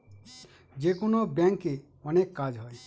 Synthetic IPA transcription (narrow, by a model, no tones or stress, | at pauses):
d͡ʒekonobjɛŋke | ɔnekːad͡ʒɦɔj